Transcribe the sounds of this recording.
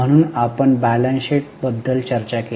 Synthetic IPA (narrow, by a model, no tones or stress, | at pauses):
əɽ̃uːnapəɳbælənseʈ̚bəd̪ʱːəlt͡ɕəɾt͡ɕake